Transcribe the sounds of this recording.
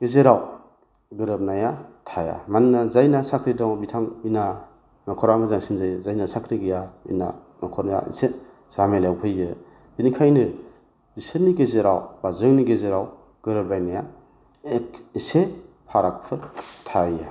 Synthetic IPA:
ɡezeɾaw | ɡɯɾɯp̚najatʰaja̰mannazajnasakʰɾidɔŋbitʰaŋina | nakʰɔɾamɯzaŋsinzɯjzajnasakʰɾiɡijaḭna̰ | nakʰɔɾnaja̰ḭse | z̥amelewpʰɯjːɯ | binikʰajnɯ | iseniɡezeɾawbazɯŋniɡezeɾaw | ɡ̥ɯɾɯp̚lajnaja | ekise | pʰaɾakpʰɯtʰajja

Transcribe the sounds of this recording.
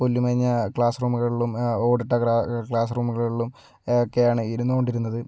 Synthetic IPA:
polːimɐriɲːɐkɭaːsruːmuɣɐɭiɭːumo̞ːɖiʈːɐkakɭaːs̬ruːmuɣɐɭiɭːum | eokːe̞jaːɳɨiɾunːuko̞ɳɖiɾunːɐðɨ

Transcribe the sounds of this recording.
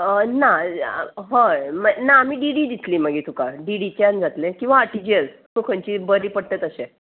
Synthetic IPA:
əna | ɦə̃mənaːmiːɖiɽiːd̪it̪liːməɡit̪ukaɖiɽit͡ɕand͡zat̪lẽkĩw̃ʋaʈid͡ʑiət͡s | sukʰə̃ɲt͡ɕibəɾiːpəɽt̪ət̪əsẽ

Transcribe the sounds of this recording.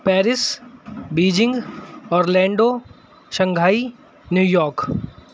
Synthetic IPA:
pɛːɾɪsbiːd͡ʒɪ̃ŋɡɔːɾlɛ̃ːɳɖoː | ʃə̃ŋɡʱaːi | njuːjɔːɾk

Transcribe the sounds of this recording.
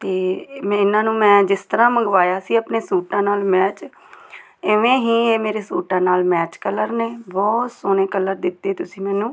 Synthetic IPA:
t̪eːmːɪnãːnũːmɛ̃ːd͡ʒɪst̪əɾãːməŋɡʋaːjaːsiːəpneːsuːʈãːnaːlmɛːt͡ʃ | ɪʋẽːɦiːeːmeːɾeːsuːʈãːnaːlmɛːt͡ʃkələɾneːbɔːt̪soːnẽːkələɾd̪ɪt̪ːeːt̪ʊsĩːmɛ̃ːnũː

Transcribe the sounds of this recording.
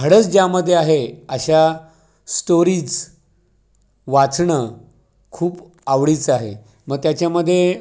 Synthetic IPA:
əɽət͡sd͡ʑjaməd̪ʱːjeaɦeəɕa | sʈoɾiːd͡z | ʋat͡sɳə | kʰuːp | aʋɽiːt͡saɦḛ | məɡ̚t̪jat͡ɕjaməd̪ʱːje

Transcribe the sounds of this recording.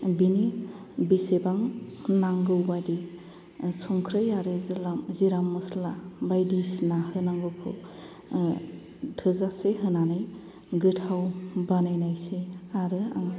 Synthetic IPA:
bini | bisebaŋnaŋɡɯwbadi | sɔŋkʰɾɯjaɾɯzilamziɾamːɯslabajdisnahɯnaŋɡɯwpʰɯ | tʰɯzaseɦɯnanɯj | ɡɯtʰawbanajnajseaɾɯa̰ŋ

